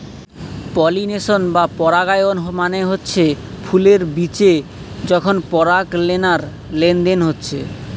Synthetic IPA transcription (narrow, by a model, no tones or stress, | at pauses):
pɔlineʃonbapɔɾaɡajonɦomaneɦotːɕʰe | pʰuleɾbit͡ɕe | d͡ʑɔkʰonpɔɾaklenaɾ | lend̪enɦotːɕʰe